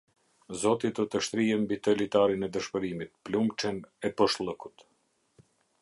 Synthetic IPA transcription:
zɔt̪id̪ɔt̪əʃt̪ɾiɦɛmbit̪ɛlit̪aɾinɛd̪əʃpəɾimit̪plumt͡ʃɛnɛpɔʃlˠəkut̪

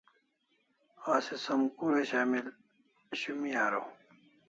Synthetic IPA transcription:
aːsesɐmkuɾeɕaːmil | ɕumiaːɾo

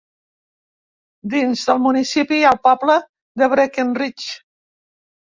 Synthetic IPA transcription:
d̪inzðəlˠmunisipialˠpɔplə | ðəβɾekenrit͡ʃ

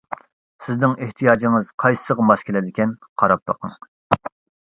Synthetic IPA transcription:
sɪznɪŋeht̪ʰijɑːd͡ʒiŋɨz̥qʰɑjssəʁmɑskʲʰilɛd̪ɪkʲɛnqʰɑɾɑp̚lɑ̰qɑ̰ŋ

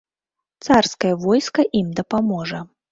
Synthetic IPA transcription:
t̪sarskɐjɐvɔjskɐʔimd̪ɐpamɔʐɐ

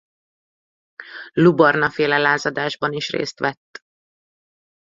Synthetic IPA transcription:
lubɒrnɒfeːlɛlaːzɒd̪aːʒbɒniʃrḛːst̪ʋɛt̪ː

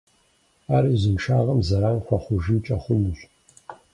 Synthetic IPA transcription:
aːɾizɨmʃaːʁɐmzɐɾaːnxʷɐχʷʊʒit͡ʃʼɐχʷʊmɨɕ

